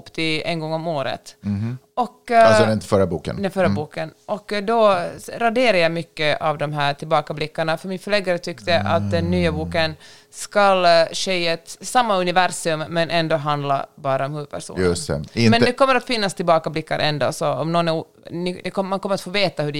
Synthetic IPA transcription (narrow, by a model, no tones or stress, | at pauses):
pːt̪ʰɪɛ̰nɡɔŋːɔmoːɾə̰t̪ | ɔksdɛɪnt̪əfœɾabuːkə̰nfœɾəbuːkənɔkːd̪ɔɾad̪eːɾajajmʏkːəʔavd̪ɔmɦæːʈʰɪlbɑːkablɪkːaɳafœɾmɪnfœɭeːɡaɾət̪ʰʏkt̪əʔa̰t̪̚d̪ɛnːyːabuːkən | skalɕɛjət̪samːaɵnɪvæɾsɵmːɛnʔɛnd̪oːɦand̪la̰bɑːɾaɔmhʉːpʰæ̰ʂṵːjɵst̪ɛ̰ɪmɛnd̪ɛkʰɔmːəɾat̪fɪnːast̪ʰɪlbɑːkablɪkːaɾʔɛ̰nd̪o̰ːsɔɔmnɔnɛ | nɪd̪ɛkʰɔmankɔməɾat̪foːveːt̪ahʉɖɛ